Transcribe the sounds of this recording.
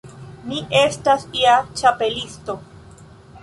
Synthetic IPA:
miʔe̞stasiat͡ʃape̞listo̞

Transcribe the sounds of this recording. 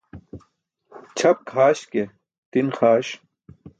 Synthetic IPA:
t͡ɕʰɐp̚kʰaːɕke | t̪inxaːɕ

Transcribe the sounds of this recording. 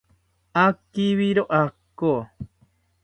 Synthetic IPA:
akiβiɾoʔakːo

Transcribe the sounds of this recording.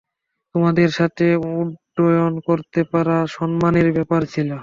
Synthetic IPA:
t̪omad̪eɾʃat̪ʰeuɖːojonkoɾt̪epaɾaʃɔnmaneɾbɛpaɾt͡ɕʰilo

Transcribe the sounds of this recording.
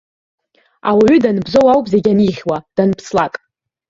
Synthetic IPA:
a̰waɥʏdanɨbzo̞wawpʼze̞ɡʲaniχʲwad̥anpʰslakʼ

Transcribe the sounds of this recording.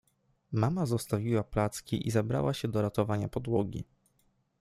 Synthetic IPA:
mamazɔst̪avʲiwaplat̪skʲiʔizabɾa̰waɕɛd̪ɔɾat̪ɔvaɲapɔd̪wɔɡʲḭ

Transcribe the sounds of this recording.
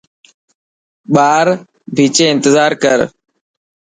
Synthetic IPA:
ɓaːɾ | bʱiːt͡ʃeːɪ̃nt̪əzaːɾkəɾ

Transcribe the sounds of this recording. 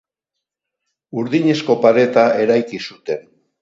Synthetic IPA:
uɾðiɲe̞sko̞paɾe̞t̪ae̞ɾajkisut̪e̞n

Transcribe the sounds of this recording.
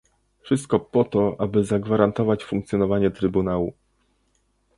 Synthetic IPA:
fʂɘst̪̚kɔpɔt̪ɔʔabɘzaɡvaɾant̪ɔvat͡ɕfuŋkt̪sʲjɔnɔvaɲɛt̪ɾɘbunawu

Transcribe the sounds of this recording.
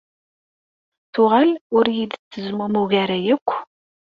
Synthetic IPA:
θʊʁalʊɾjid̪t͡sːəzmumuɣæɾæjækʷː

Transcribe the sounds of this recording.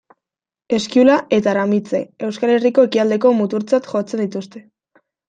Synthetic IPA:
e̞skiulaʔe̞t̪aɾamit͡se̞̰e̞wskale̞riko̞ekiald̪e̞ko̞mut̪uɾt͡sat̪xo̞t͡se̞nd̪it̪ust̪e̞

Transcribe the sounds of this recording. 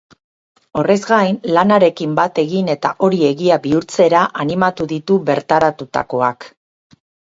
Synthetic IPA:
o̞re̞zɡajnlanaɾe̞kimbat̪e̞ɣine̞t̪aʔo̞ɾie̞ɣiaβiuɾt͡se̞ɾaʔanimat̪uðit̪uβe̞ɾt̪aɾat̪ut̪a̰ko̞ak

